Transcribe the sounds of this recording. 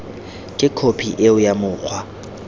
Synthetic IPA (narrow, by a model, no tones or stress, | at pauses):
kʼɪkʰopʰiʔeʊjamʊːk͡xʰwa